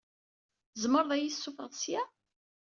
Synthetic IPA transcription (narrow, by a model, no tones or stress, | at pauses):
zməɾˤðˤæjisːufəʁðˤsjæ